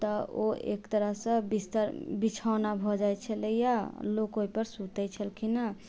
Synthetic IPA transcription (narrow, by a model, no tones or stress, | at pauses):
t̪ɔoḛkt̪əɾəɦsə̃bist̪əɾbit͡ʃʰanabʱɔd͡ʒajt͡ʃʰəlejalokoipəɾsut̪ɛt͡ʃʰəlkina